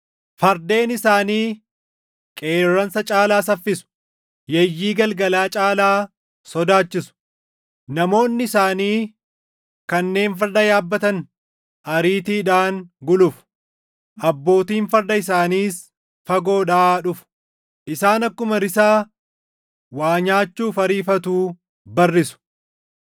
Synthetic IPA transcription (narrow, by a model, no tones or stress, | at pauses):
fɐɾd̪e̞ːnɪsaːniː | kʼe̞ːrːɐnsɐt͡ʃʼaːlaːsɐfːɪsʊ̥ | jɛjːiːɡɐlɡɐlaːt͡ʃʼaːlaː | sɔd̪aːt͡ʃːɪsʊ̥ | nɐmo̞ːnːɪɪsaːniː | kɐnːe̞ːnfɐɾd̪ɐjaːbːɐt̪ɐn | ʔɐɾiːt̪iːᶑaːŋɡʊlʊf | ʔɐbːo̞ːt̪iːnfɐɾd̪ɐɪsaːniːs | fɐɡo̞ːᶑaːᶑʊfʊ̥ | ʔɪsaːnɐkːʊmɐɾɪsaː | waːɲaːt͡ʃːuːfɐɾiːfɐt̪uː | bɐrːɪsʊ̥